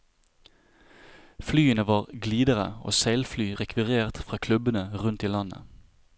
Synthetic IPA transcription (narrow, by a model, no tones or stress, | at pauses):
flyːənəʋɑːʁɡliːd̪əʁə̰o̰ːseɪlflyːʁɛkʰʋɪʁeːʁt̪fʁɑːkʰlʉbənəʁʉnt̪iːlɑnə̰